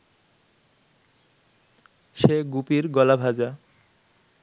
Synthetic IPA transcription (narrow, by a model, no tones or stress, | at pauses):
ʃeɡupiɾɡɔlabʱad͡ʑa